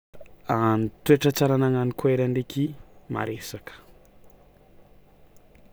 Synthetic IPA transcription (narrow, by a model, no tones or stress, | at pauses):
anit̪ueʈ͡ʂət͡saɾanaŋanikueɾandekʰima̰ɾesakə̥